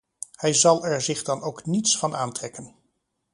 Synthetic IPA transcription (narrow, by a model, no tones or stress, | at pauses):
hɛjzɑlˠɛɹzɪχdɑnowknitsfɑnʔa̰ːntrɛkən